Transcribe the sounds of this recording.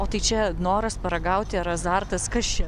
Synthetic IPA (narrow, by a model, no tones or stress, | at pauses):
oːt̪ɐɪt͡ʃʲɛnoːɾɐspɐɾɐɡɐʊt̪ʲɪɐɾɐzɑːɾt̪ɐskɐst͡ʃʲɛ